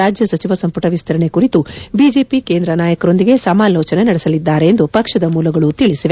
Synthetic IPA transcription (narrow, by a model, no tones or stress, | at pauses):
aːd͡ʒjɐsɐt͡ʃiʋɐsɐmpuʈɐʋist̪ʰɐɾɐɳe̞kuɾit̪ubid͡ʒe̞ːpike̞ːnd̪ɾɐnaːjɐkɐɾo̞nd̪iɡe̞sɐmaːloːt͡ʃɐnenɐɽesɐlid̪ːaːɾe̞ːnd̪upɐkʂɐd̪ɐmuːlɐɡɐɭut̪iɭisiʋe